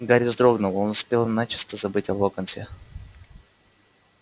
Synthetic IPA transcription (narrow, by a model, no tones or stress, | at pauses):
ɡaɾʲɪzd̪ɾo̞ɡnʊlˠo̞nʊspʲelˠɨmnat͡ɕɪ̥st̪əzɐbɨtʲɐvokɐnsʲe